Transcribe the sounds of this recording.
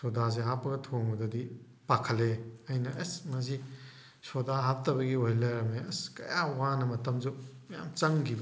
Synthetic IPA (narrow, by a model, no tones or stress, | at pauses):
sodaz̬eɦapːɐɡɐtʰoŋbɐdɐdi | pakʰɐleɐjnɐʔɐsmɐs̬i | sodaɦap̚tɐbɐɡiojlɐjɾɐmeɐskɐ̰jawanɐmɐtɐmd͡ʒumɐja̰mt͡ʃɐŋɡib